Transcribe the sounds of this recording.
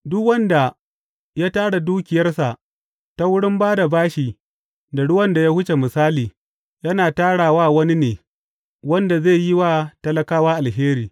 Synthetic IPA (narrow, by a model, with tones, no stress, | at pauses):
dʊ˦kwɐ˦nda˨ | jaː˦taː˦ɽa˨duː˦kʲɪ˨jɐ˦rsa˨ʔ | ta˦wʊ˦ɽɪ˦mbaː˦da˨baː˦ʃi˨ | da˨ɽʊ˦wɐ˦nda˨ja˦hʊ˦t͡ʃe˨mɪ˨saː˦liː˨ | jɐ˦naː˨taː˦ɽaː˨waː˦wɐ˦ni˦neː˨ | wɐ˦nda˨ze˦˨ji˦wa˦tɐ˦lɐ˦kaː˦wa˦ʔa˨lɦeː˦ɾiː˨